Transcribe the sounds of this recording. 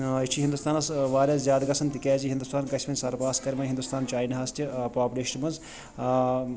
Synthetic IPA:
it͡ʃʰiɦind̪ust̪aːnɐsʋaːɾʲaːszʲjaːd̪ɡɐsʰɐnt̪ikʲɛːziɦind̪ust̪aːnkɐsʲmɐnʲsɐɾpaːskɐɾʲmɐɦind̪ust̪aːnt͡ʃaːjinɐɦɐst̪ʲipaːpʲuleːʃɐnmɐz

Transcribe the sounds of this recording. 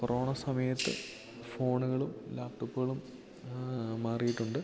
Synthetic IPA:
korʔo̞ːɳɐsɐmɐjɐt̪ːɨ | fo̞ːɳuɣɐɭumlaːp̚ʈopːuɣɐɭum | maːrijiʈːuɳɖɨ

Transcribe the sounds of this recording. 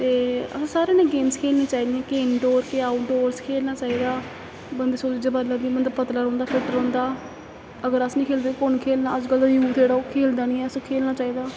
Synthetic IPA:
t̪eːə̰sãːsaːɾẽːnẽːɡeːmskʰeːlniːt͡ʃaːiːd̪ɪɛ̃ːkeːnɖoːɾkeaːʊʈ̚ɖoːɾskʰeːlnaːt͡ʃaːiːd̪aː | bənd̪eːsoːd̪ɪd͡ʒeːbəɾlad̪ĩmənləbpət̪laːɾɔ̃ːnd̪aːpʰɪʈəɾɔ̃ːnd̪aː | əɡəɾəsnĩːkʰeːld̪epʊnkʰeːlnaːəd͡ʒkəld̪aːjuːt̪ʰeːɽaːokʰeːld̪aːnĩːɛːəsõːkʰeːlnaːt͡ʃaːiːd̪aː

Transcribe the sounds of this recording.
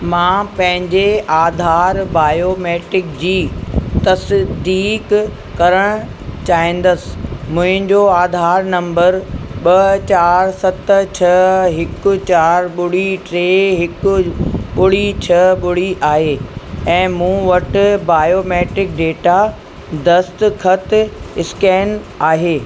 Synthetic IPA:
mãːpɐ̃ɦɪ̃ɲd͡ʑeʔaːd̪ʱaːɾbaːjoːmeːʈɪk̚d͡ʑiːt̪ɐsd̪iːk | kɐɾəɽ̃ʊ | t͡ɕaːĩːn̆d̪əsɪ̥̆mʊ̃ɦɪ̃ɲd͡ʑoaːd̪ʱaːɾnɐ̃mbəɾɓɐt͡ɕaːɾsɐt̪t͡ɕʰɐɦɪkʊ̆t͡ɕaːɾɓʊɽiʈɾeːɦɪkʊ̆ɓʊɽit͡ɕʰɐɓʊɽ̤iʔaːɦeːɛ̃ːmũːʋɐʈʊ̆baːjoːmɛːʈɾɪk̚ɖeːʈa | d̪ɐst̪kʰɐt̪ɪskɛːnaːɦeː

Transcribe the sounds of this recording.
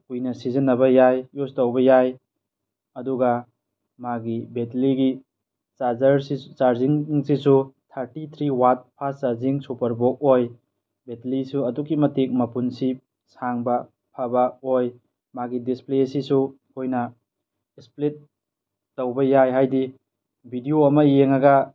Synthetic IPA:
kujnɐsizɐnːɐbɐjajjustowbɐjaj | ɐduɡɐ | maɡibetliɡi | sazɐɾsit͡ʃaɾziŋsisutʰaɾtit̪ʰɾiwat̚pʰast͡ʃaɾziŋsupɐɾbok̚oj | betlisuɐdukːimɐtik̚mɐpunsi | saŋbɐ | pʰabɐoj | maɡidisplesisu | kʰojnɐ | esplit̚ː | owbɐjajɦajdi | bʱidioɐmɐjeŋɐɡɐ

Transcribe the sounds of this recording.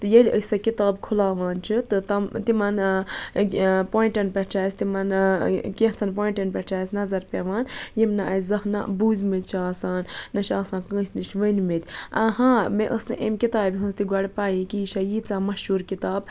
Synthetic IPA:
t̪ɨjɐlʲəsɐkit̪aːbkʰulaːʋaːnt͡ʃʰɨt̪ɨt̪ɐmt̪imɐn | poːiɳʈɐnpʲɐt͡ʃʰaːsʲt̪imɐnkeɦt͡sʰɐnpoːiɳʈɐnpet͡ʃʰaːsʲnɐzɐɾpʲeʋaːnjimnɐʔɐszɐhna̰buːzʲmit̪̚ʲt͡ʃʰaːsaːnːɐʃaːsãːnkə̃ːsʲnit͡ʃʰʋənmit̪ʲɐɦãːmeʔəsnɨ̰ʔemkit̪aːbiɦũnst̪iɡʷɐɽʲpaːjikiʃajiːt͡saːmɐʃuːɾkit̪aːb

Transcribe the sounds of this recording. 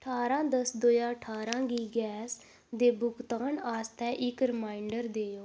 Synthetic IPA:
əʈʰaːɾãːd̪əsd̪oːjãːəʈʰaːɾãːɡiːɡɛːs | d̪eːbʊkt̪aːnaːst̪ɛːʔɪkɾɪmaːɪɳɖəɾd̪eːjoː

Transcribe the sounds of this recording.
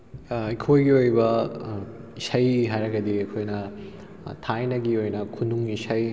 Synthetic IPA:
ikʰojɡiojbɐ | isɐjɦajɾɐɡɐd̪iɐkʰojnɐ | tʰajnɐɡiojnɐkʰunuŋisɐj

